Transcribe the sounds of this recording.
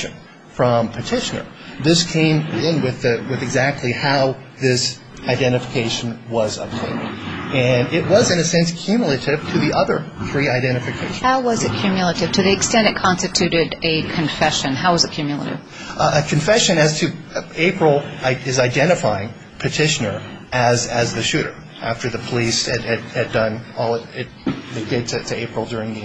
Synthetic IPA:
ɨ̃n | fɹʌ̃mpʰɨtʰɪʃɨnə̰˞ | ðɪskʰẽɪ̃mɪ̃nwɪðɨwɨðɨɡzæk̚tʰˡlihaʊ | ðɪs | aɪdɛ̃ɾ̃ɨfə̥kʰeɪʃn̩wʌzʌ̰p̚tʰḛ̃ɪ̃ndɨ̃nɪt̚wʌzɨ̃ñɨsɛ̃nskʰj̥ʉmjl̩ˠɨɾɪv̥tʰɨðiʔʌðə˞θɹiaɪdɛ̃ɾ̃ɨfɨkʰeɪʃhaʊwʌzɨt̚kʰj̥ʉmjl̩ˠəɾɨv̥tʰɨðiɨkstɛ̃ntɨt̚kʰɑ̃nstɨtʰʉɾɪɾɨkʰɨ̃ɱfɛʃɨ̃nɦaʊwʌzɨt̚kʰjʉmjl̩ˠə̰ɾɨ̰v̥ | ɨkʰɨ̃ɱfɛʃɨ̃nɨz̥tʰɨeɪpɹl̩ˠaɪɪzaɪdɛ̃ɾ̃ɨfaɪɪ̃ŋ | pʰɨtʰɪʃɨnə˞ʔɨzɨzðɨʃʉɾə̰˞ | ʔæ̰ftə˞ðɨpʰəlisɨɾɨdɨdʌ̃nɔlˠəɾɪt̚ðeɪdɪd̚tʰɨtʰɨeɪpɹl̩ˠdʊɹɪ̃ŋði

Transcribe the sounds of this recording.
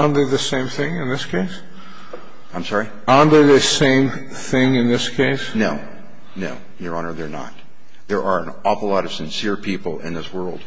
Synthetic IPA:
ə̃nðə˞ðɨsẽɪ̃mθɪ̃ŋɨ̃nðɪskʰeɪs | ãɪ̃msɑɹi | ənðə˞ðɨsẽɪ̃m | θɪ̃ŋɨ̃nðɪskʰeɪsnoʊ | noʊ | jə˞ɑ̃nə˞ðə˞nə̰t̚ | ðə˞ʔa˞ə̃nɔfəlɔɾʌv̥sɨ̃nsɪɹpʰipl̩ˠɪ̰̃nðɪswɜ˞lˠd̥

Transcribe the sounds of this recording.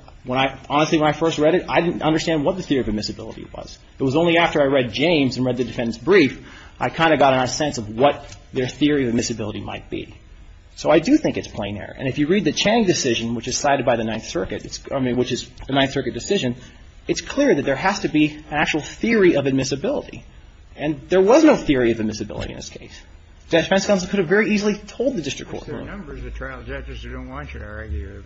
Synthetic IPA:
wə̃ñaɪɑnəstˡliwə̃naɪfɜ˞st̚ɹɛɾɨɾaɪɾɪdⁿn̩tʌ̃ndə˞stæ̃nd̚wʌt̪̚ðɨθɪɹiʌvɨd̚mɪsɨbɪ̰lˠə̰ɾḭwʌ̰z̥ | ɨt̚wʌzõʊ̃nliæftə˞aɪɹɛd̚d͡ʒẽɪ̃mzɨ̃n̩ɹɛd̪̚ðɨdɨfɛ̃ndnsbɹifʔaɪkʰãɪ̃ndɨɡɑɾɨ̃nəsɛ̃nsʌvwʌt̪̚ðə˞θɪɹiʌvɨd̚mɪsɨbɪlˠəɾima̰ɪt̚b̥ḭ | soʊaɪdɨθɪ̃ŋkɨtspʰl̥ẽɪ̃nɛ̰ɹḭʔɨ̰̃nɨfjɨɹid̪̚ðɨt͡ʃʰæ̃ñɪ̃ŋdɨsɪʒɨ̃nwət͡ʃɨz̥saɪɾɨd̚baɪðɨnãɪ̃nθsɜ˞kɨɾɨtsĩwɨt͡ʃɨzɨnãɪ̃nθsɜ˞kɨt̚d̥ɨsɪʒɨ̃n | ɨtskʰl̥ɪɹðɨt̪̚ðə˞ɦæstɨbiɨ̃næk̚t͡ʃul̩ˠθɪɹiʌvɨd̚mɪsɨbɪlˠə̰ɾḭ | ɨ̃nðə˞wʌznoʊθɪɹiʌvɨd̚mɪsɨbɪ̰lˠə̰ɾḭɨ̃nðɪ̰skʰeɪs | ʒ̥æt͡ʃpɛ̃nsɡ̥ʌ̃nsən̩kʰʊɾɨvɛɹiizl̩ˠitʰoʊlˠd̪̚ðɨdɪstɹ̥̰k̚ʰɔ̰ɹʔɹṵ̃ʌ̃mbə˞zɨtʰɹ̥aɪl̩ˠd͡ʒɛd͡ʒɨsɨdõʊ̃nʔ̚wɑ̃nt͡ʃɨɾəɛɡ

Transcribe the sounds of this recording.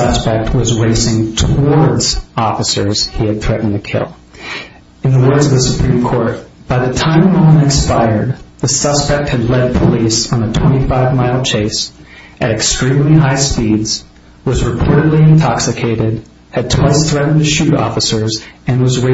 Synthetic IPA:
ʌ̥spɛk̚t̚ʰwʌzɹeɪsɪ̃ŋtʰəwɔɹdz̥ɔfəsə̰˞z̥hiɨd̪̚θɹɛʔn̩ɨkʰɪ̰lˠ | ɨ̃nðəwɜ˞dzʌvðɨsəpʰɹ̥ĩmkʰɔɹt̚ | b̥aɪðɨtʰãɪ̃mwə̃ə̃nɨ̃kspaɪə˞d̪̚ðɨsʌspɛk̚t̚hɨdˡlɛd̚pʰəlisn̩ətʰw̥ɛ̃ɾ̃ifaɪvmaɪlˠt͡ʃʰeɪs | ʔɨɾɨkstɹ̥ĩmliɦaɪspidz̥ | wʌzɹɨpʰɔɹɾɨdˡliɨ̃ntʰɑksɨkʰeɪɾɪd̚ | ɨd̚tʰw̥aɪsθɹɛʔn̩ðɨʃʉɾɔ̰fəsə˞zɨ̃nwʌzɹe

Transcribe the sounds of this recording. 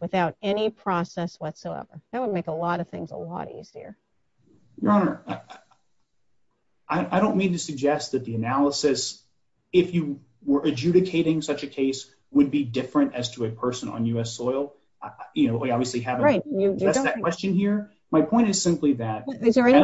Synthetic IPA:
wɨθaʊɾɛnipʰɹ̥ɔsɛswʌtsoʊɛ̰və˞ðɨt̚wəd̚meɪkəlɔɾʌv̥θɪ̰̃ŋzə̰lɔ̰ɾḭz̥iə̰˞ | jə˞ɑnə˞ | ʔaɪaɪɾõʊ̃nmĩntɨsɨɡ̚d͡ʒɛst̪̚ðɨt̪̚ðiɨnælˠəsɨs | ɪfjɨ | wə˞ʔɨd͡ʒʉɾɨkʰeɪɾɪ̃ŋsʌt͡ʃɨkʰeɪs | wɨd̚bidɪfɹɨ̃ntɨz̥tʰəɨpʰɜ˞sɨ̃nə̰̃n̩jʉɛsɔɪl̩ˠ | jɨnoʊʔɑbviɨsliɨvɹaɪt̚ɨæðɨt̚kw̥ɛst͡ʃɨ̃nhiɹ | maɪpʰɔ̃ɪ̃ntɨz̥sɪ̃mpliðɨt̚ɪzðə˞ɛ

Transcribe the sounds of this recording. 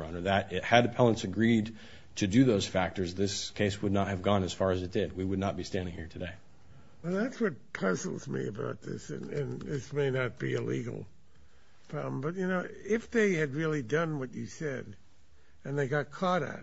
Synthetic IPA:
ʌ̃nə˞ðɨɾɪhɨdɨpʰælˠə̃nsɨɡɹid | tʰɨdɨðoʊz̥fæk̚tə˞zðɪskʰeɪswədⁿnət̚hɨvɡɔ̃nɨz̥fɑɹɨzɨt̚d̥ɪd̚wiwɨdⁿnət̚b̥istæ̃ndɪ̃ŋhiɹtʰɨdeɪ | wɛlˠðætswʌt̚pʰʌzl̩ˠzmḭɨ̰ba̰ʊt̪̚ðɪ̰sɨ̰̃nɨ̃nɪsmeɪnɨt̚b̥ḭɪlḭɡl̩ˠ | fʌ̃mbʌt̚jɨnoʊɪfðeɪɨd̚ɹɪlˠidʌ̃nwʌt͡ʃɨsɛd | ɨ̃nðeɪɡɑt̚kʰɔɾɨ̰t̚

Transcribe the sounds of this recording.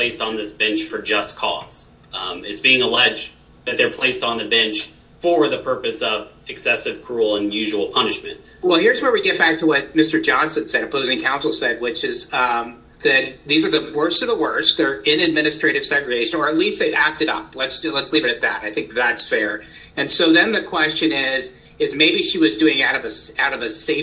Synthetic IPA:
pʰl̥eɪstn̩ðɪsb̥ɛ̃nt͡ʃfə˞d͡ʒʌskʰɔ̰z̥ | ɨtsb̥iɪ̃ŋəlɛd͡ʒ | ðɨt̪̚ðə˞pʰl̥eɪstn̩ðɨbɛ̃nt͡ʃ | fə˞ðɨpʰɜ˞pɨsʌvɨksɛsɨv̥kʰɹ̥ul̩ˠə̃njʉʒəwl̩ˠpʰʌnɨʃmɨ̰̃nt̚ | wɛlˠhɪɹzwə̃˞wiɡɛt̚b̥æk̚tʰəwʌt̚mɪstə˞d͡ʒɑ̃nsɨ̃nsɛɾɨpʰoʊzɪ̃ŋkʰãʊ̃nsl̩ˠsɛd̚wɪt͡ʃɪz | ðɨt̪̚ðizə˞ðɨwɜ˞ssʌvðəwɜ˞sk̚ðə˞ɪ̃nɨd̚mɪ̃ñɨstɹ̥eɪɾɨv̥sɛɡɹeɪʃɨ̃nə˞ɨtˡlist̪̚ðeɪæk̚tɨɾʌ̰p̚lətslətslivɨɾɨt̪̚ðɨ̰ɾaɪθɪ̃ŋk̚ðætsfɛɹɨ̃nsoʊðɨ̃nðɨkʰw̥ɛst͡ʃɨ̃nɪz | ɨzmeɪbiʃiwʌzdʉɪ̃ŋaʊɾʌvɨsaʊɾʌvɨseɪ

